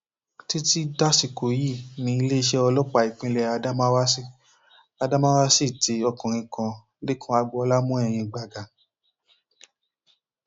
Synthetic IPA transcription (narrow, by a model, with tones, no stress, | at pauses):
ti˦ti˦da˦si˨ko˨ji˦˨nĩ˧˦i˧le˦i˧ʃɛ˧ɔ˧lɔ˦k͡pa˧˨i˨k͡pĩ˧lɛ˧a˧da˦mã˦wa˦si˦˨ | a˧da˦mã˦wa˦si˦˨ti˧˦ɔ˧kɔ̃˨ɾ̃ĩ˧kã˧ | le˦kʰɔ̃˧˦a˧ɡ͡bɔ˧ɔ˧la˦mũ˦ɛ˦˨j̃ĩ˧ɡ͡ba˨ɡa˨